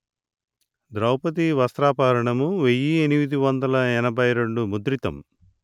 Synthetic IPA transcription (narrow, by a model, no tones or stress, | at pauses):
d̪ɾɐwpɐt̪̬iʋɐst̪ɾaːpaːɾɐɳɐmuʋejːienimid̪iʋɐnd̪ɐlɐɛnɐbʱɐjɾe̞ɳɖumud̪ɾit̪ɐ̰m